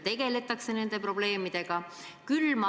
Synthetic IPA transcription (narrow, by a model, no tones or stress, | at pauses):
t̪e̞ɡe̞le̞t̪ːˑɑkse̞ne̞nd̪e̞pɾo̞ble̞ːmid̪̥e̞ɡ̥ɑ | kylmɑ